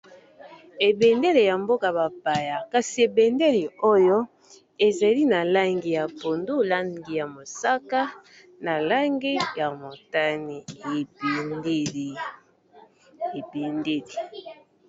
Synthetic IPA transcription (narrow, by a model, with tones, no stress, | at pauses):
e˨be˨nde˦le˨ja˨mbo˦ka˨ba˨pa˨ja˨ka˨si˨e˨be˨nde˦li˨o˦jo˦ | e˨za˨li˦na˨la˦ŋɡi˨ja˨po˨ndu˦˨la˦ɡi˨ja˨mo˨sa˦ka˦ | na˨la˦ŋɡi˦ja˨mo˨ta˦ni˨e˨be˦l | e˨be˨nde˦li˨